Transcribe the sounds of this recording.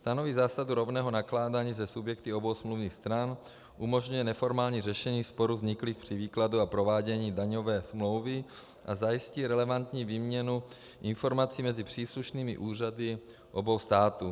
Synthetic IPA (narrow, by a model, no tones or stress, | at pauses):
st̪anoviːzaːsaduɾo̞vnɛːɦo̞naklaːdaːɲiːzɛsubjɛkt̪ɪo̞bo̞wsmluvniːxst̪ɾan | ʔumo̞ʒɲujɛnɛfo̞ɾmaːlɲiːrɛʃɛɲiːspo̞ɾuzɲɪkliːxpr̥ɪviːkladuapɾo̞vaːɟɛɲiːdaɲo̞vɛːsmlo̞wvɪ | ʔazajisciːɾɛlɛvant̪ɲiːviːmɲɛnu | ʔɪnfo̞ɾmat͡siːmɛzɪpr̝̥iːsluʃniːmɪ̰ʔuːradɪ | ʔo̞bo̞wst̪aːt̪u